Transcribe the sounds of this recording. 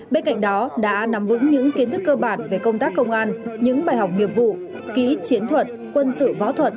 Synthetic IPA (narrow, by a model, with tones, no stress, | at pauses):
ɓe˧nka̰˧˨jŋ̟ɗɔ˨˦ɗa̰ː˧˥na˨˦mvɨ̰˧˥ŋɲɨ̰˧˥ŋki˨˦ənt̪ʰɨ˦˥kːəː˧ɓaː˨˩nve˨˩kə˧wŋ͡mt̪aː˦˥kːə˧wŋ͡mʔaː˧nɲɨ̰˧˥ŋɓaː˨˧˩jha˨˩wk͡p̚ŋi˨˩əp̚vṵ˧˨ | kḭ˧˥t͡ɕi˨˦ənt̪ʰwə˨˩t̚ | kwə˧nsɨ̰˧˨vɔ̰˧˥t̪ʰwə˨˩t̚